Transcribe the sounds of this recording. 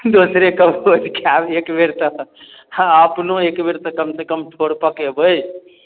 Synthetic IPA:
d̪osɾekəbod͡ʒkeabekbeɾt̪ə | əpnoekbeɾt̪əkəmsekəmʈʰoɽpəkebəj

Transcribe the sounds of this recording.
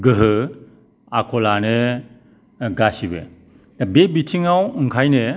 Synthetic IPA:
ɡɯɦɯ | akʰɔlane | ɡasibe | dabebitʰiŋawɯŋkʰajne

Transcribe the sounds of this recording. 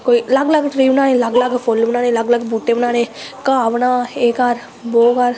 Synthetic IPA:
koːilɐɡləɡʈɾiːʋnãːnẽːləɡləɡpʰolbnãːnẽːlɐɡləɡbuːʈːeːbnaːnẽːkaːʋnaːeːkaɾ | boːɡaɾ

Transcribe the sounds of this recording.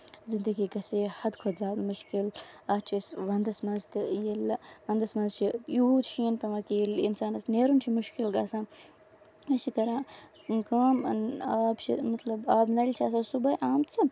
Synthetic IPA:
zind̪ɐɡiːɡɐseːhɐd̪kʰozaːd̪muʃkilat͡ʃʰisʋɐnd̪ɐsmɐnzt̪ɨjelɐʋɐnd̪ɐsmɐnzt͡ʃʰijuːt͡ʃʰiːnpɐʋɐkilinsaːnɐsneːɾunt͡ʃʰimuʃkilɡaːsãː | ɐt͡ʃʰikɐɾãː | kaːm̰naːbt͡ʃʰḭmɐt̪lɐbaːbnɐlʲt͡ʃʰaːs̬asubɐʔaːmt͡ʃʰi

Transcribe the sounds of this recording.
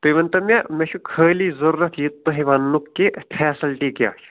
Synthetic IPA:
t̪oiʋɐnt̪ɐmʲamʲeʃʰukʰəːliːzɐɾːɐt̪ʰjit̪ːɐɦiʋɐnːukːepʰɛːsɐlʈiːkja̰ːʃʰ

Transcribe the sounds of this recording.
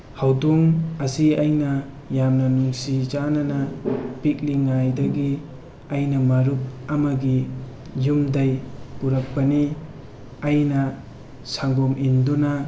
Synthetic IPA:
hawduŋɐsiɐjnɐ | jamnɐnuŋsit͡ʃanɐnɐpik̚liŋajdɐɡi | ɐjnɐmɐɾuk̚ɐmɐɡi | jumdɐjpuɾɐk̚pɐni | ɐjnɐ | saŋɡomʔindunɐ

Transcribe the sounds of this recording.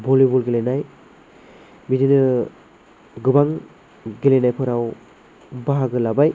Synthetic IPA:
bɔlibulɡelenaj | bidinɯ | ɡɯbaŋ | ɡelenajpʰɯɾaw | baɦaɡɯlabaj

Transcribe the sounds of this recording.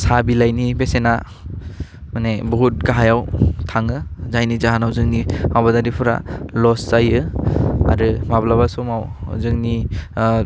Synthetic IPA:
sabilajnibesena | manebɔɦut̚ɡaɦajawtʰaŋɯzajnizaɦanawzɯŋnimabadaɾipʰɯɾa̰lɔszajɯa̰ɾɯmablaβasɔmawzɯŋni

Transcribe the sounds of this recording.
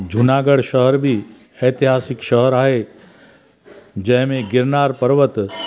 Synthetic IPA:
d͡ʒʱʊnaːɡəɽʃəɦəɾbʱi | ɛːt̪ɪɦaːsɪkʃəɦəɾaːɦe | d͡ʒɐɦmẽɡɪɾnaːɾpəɾʋət̪

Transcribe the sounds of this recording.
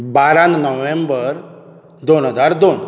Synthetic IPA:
baɾannəʋembəɾ | d̪onɦəd͡zaɾd̪on

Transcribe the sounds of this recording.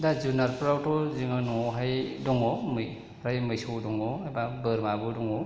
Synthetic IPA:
dazunaɾpɾawtɔzɯŋɯnɔɦajdɔŋɔmɯj | ɾajmɯjsɯwdɔŋɔebabɯɾmabɯdɔŋɔ

